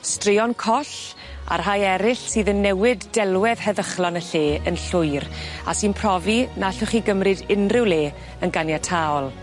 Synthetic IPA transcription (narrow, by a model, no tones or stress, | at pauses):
strɪɔnkʰɔɬ | a̰rɦajɛɾɪɬsiːðənːɛwɪdːɛlˠwɛð̥hɛðəχlɔnəɬeːənɬʊjra̰sɨːnpʰrɔvinaɬʊχiɡəmrɨdɪnrɪwleː | ənɡanjatʰaɔlˠ